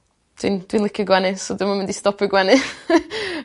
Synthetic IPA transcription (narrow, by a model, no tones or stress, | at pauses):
d̥wḭnd̥winlˠəkʰjɔɡwɛnɨsɔdəmanmɪndistɔpʰəɡwɛnɨ